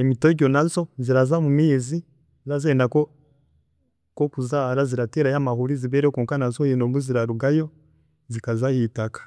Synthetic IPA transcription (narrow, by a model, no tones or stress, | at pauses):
emitoɟɔnanzɔziɾazamumizi | zazendakɔ | kokuzaɾaziɾateɾajamahuɾiziβɛɾɛkuːŋkanazɔjinomuziɾaɾuɡajɔ | zikazahitakḁ